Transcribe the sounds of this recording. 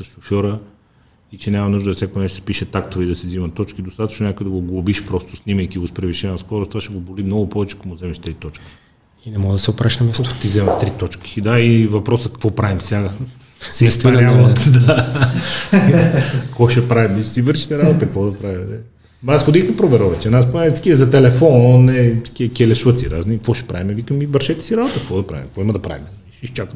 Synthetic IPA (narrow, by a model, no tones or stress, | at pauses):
sɐsʃofʲjɔɾə | it͡ʃɛnʲamɐnuʒd̪d̪fsʲakoɛnɛʃt̪ospiʃɛt̪akt̪ovɛid̪ɐsizimɐt̪ːɔt͡ʃkid̪ost̪at̪ə̥t͡ʃnonʲakojɛd̪ɐɡoɡlˠobiʃpɾɔst̪o̥snimɐjkiɡospɾɛviʃɛnɐskɔɾʊst̪vaʃɛɡobolimnɔɡʊpɔvɛt͡ʃɛ̥komʊzɛmɛʃt̪ɾit̪ɔt͡ʃkʲi̥ | inɛmɔɡd̪ɐsɛopɾaʃnɐmjast̪ot̪izɛmɛt̪ɾit̪ɔt͡ʃkʲi̥d̪aivɐpɾɔsəkɐ̥kvɔpɾavimsʲjaɡə | ɛsnalˠot̪d̪a | kvɔʃɛpɾavimmiʃsivəɾʃi̥t̪ɛɾabot̪əkvɔd̪ɐpɾavʲimnɛ | asxod̪ixd̪ɐpɾovɛɾɔvɛt͡ʃɛnaspaɛsi̥kʲiəzɐt̪ɛlɛfɔnnɛskʲiəkʲiɛlɛʃuət̪siɾa̰znikvɔʃɛ̥pɾa̰vimɛvikəmivəɾʃɛt̪ɛ̥siɾabot̪əkkvɔd̪ɐpɾa̰vimkvɔimɐd̪ɐpɾa̰vimɛ | iʃiʃt͡ʃakə